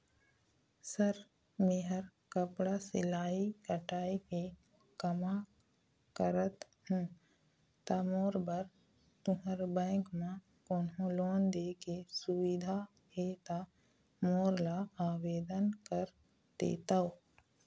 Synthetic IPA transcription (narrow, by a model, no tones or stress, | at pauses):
səɾ | meɦəɾkəpɽasɪlaːikəʈaːike | kəma | kəɾət̪ | ɦũ | t̪aːmoːɾbəɾ | t̪ʊɦəɾbɛ̃ːŋkmã | koːnɦõloːnd̪eːkesʊwɪd̪ʱa | ɦeːt̪a | moːɾlaaːweːd̪ənkəɾ | t̪ḛːt̪aoː